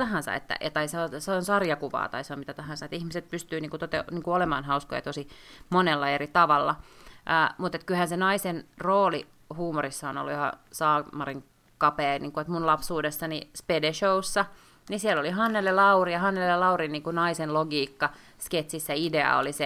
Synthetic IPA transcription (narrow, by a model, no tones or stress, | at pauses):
t̪ɑɦɑ̃nsɑ̰ḛt̪ːæ̰ɑt̪ɑiseoseonsɑrjɑkuʋɑ̰ːt̪ɑ̰iseomit̪æt̪ɑɦɑ̃nsɑet̪ihmiset̪̚pyst̪yːniːŋkut̪ot̪ḛniːŋkuolemɑːnhɑusko̰jɑ̰t̪osimonelːɑerit̪ɑʋɑlːɑʔəːmut̪et̪kylhænsenɑisenroːli | huːmorisːɑono̰lːujohɑ̰sɑːmɑriŋ | kɑpeːniːŋkuet̪munlɑpsuːdesːɑnispedeʃousːɑ | nisielːoliɦɑnːelːelɑurijɑhɑnːellelɑurinniːŋkunɑisenloɡiːkːɑ | sket̪sisːæideɑ̰o̰lise